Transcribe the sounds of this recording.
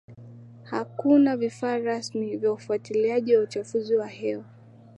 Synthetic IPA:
hakunavifaːɾasmivjaufuatiliaʄiwaut͡ʃafuziwahɛwa

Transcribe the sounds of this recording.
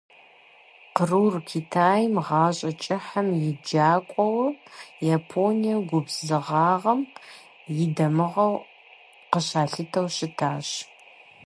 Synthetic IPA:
qərurkʲʰitʰaːjmʁɑːɕʼɐt͡ʃʼɪħɐmjɪd͡ʒaːkʷʼɔwɐjaːpʰoːnijɐɡʷʊbzɨʁɑːʁɐm | jɪdɐmɨʁɐw | qəɕaːɬɨtʰɐwɕɪtʰaːɕ

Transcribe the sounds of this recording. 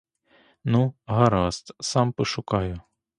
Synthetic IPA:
nuɦɐɾɑst̪sɑmpɪʃʊkɑjʊ

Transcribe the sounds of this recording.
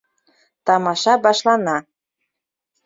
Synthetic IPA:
t̪ɑmɑʃɑbɑʃlɑnɑ

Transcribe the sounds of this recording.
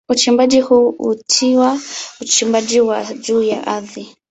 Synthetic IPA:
ut͡ʃimbaʄihuːutʰiwaut͡ʃimbaʄiwaʄuːja̰ʔaði

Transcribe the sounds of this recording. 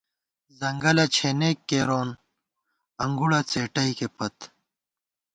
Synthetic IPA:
zɐŋɡɐlɐt͡ɕʰeːneːkːeɾoːn | ɐŋɡuɽɐt͡seːʈɐikepɐt̪

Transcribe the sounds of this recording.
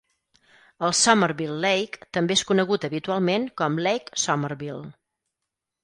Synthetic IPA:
əlˠsɔməɾβilˠːejkt̪əmbeeskunəɣut̪əβit̪ualˠmeŋkɔmlɛjksɔmərβilˠ

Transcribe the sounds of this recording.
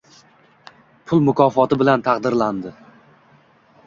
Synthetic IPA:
pʰʊlˠmʊkʰɒfɒt̪ɪbɪlant̪ʰɑqd̪ɪɾland̪ɪ

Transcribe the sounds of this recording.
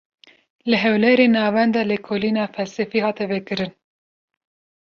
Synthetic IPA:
lɨɦɛwlɛɾeːnɑːvɛnd̪ɑːlekʰoːliːnɑːfɛlsɛfiːhɑːt̪ɛvɛkɨɾɨn

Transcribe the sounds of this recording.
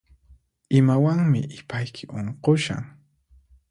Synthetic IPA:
ɪmawaŋmɪʔɪpajkʰɪʔoɴqoʃa̰ŋ

